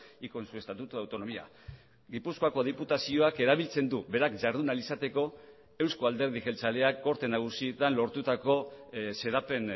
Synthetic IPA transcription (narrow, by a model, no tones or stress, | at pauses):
iko̞nsue̞st̪at̪ut̪uawt̪o̞no̞mia̰ | ɡipusko̞ako̞ð̞iput̪asio̞ake̞ɾaβ̞ilt͡se̞nd̪uβe̞ɾakʝaɾðunalisat̪e̞ko̞ | e̞wsko̞ald̪e̞ɾð̞iʝe̞lt͡sale̞akːo̞ɾt̪e̞naɣ̞usiet̪anlo̞ɾt̪ut̪ako̞se̞ðape̞n